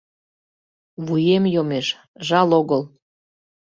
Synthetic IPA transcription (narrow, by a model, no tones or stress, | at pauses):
βujemjomeʃ | ʒɑloɣəl